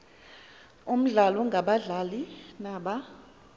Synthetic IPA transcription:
um̩ɮalɔŋɡʱaɓaɮalinaɓa

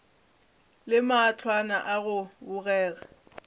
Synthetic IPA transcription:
lɪmaːt͡ɬʰwana̰ʔaɣʊbʊɣɛːɣa

